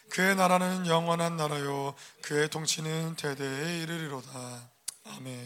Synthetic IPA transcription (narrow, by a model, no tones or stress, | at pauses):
kɯe̞naɾanɯnjʌŋwʌnɦanːaɾajokɯe̞tʰoŋɕʰinɯnte̞de̞eiɾɯɾiɾoda | ame̞n